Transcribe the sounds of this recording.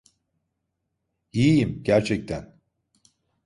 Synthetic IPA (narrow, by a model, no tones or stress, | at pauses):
ijijimɟæɾt͡ʃʰɛc̚t̪ʰæn